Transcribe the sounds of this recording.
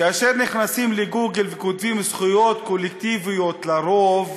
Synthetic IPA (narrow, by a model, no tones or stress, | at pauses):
kaːʃeɾniχnasimleɡuɡelvekot̪vimsχujo̞t̪kolek̚t̪ivijo̞t̪laɾov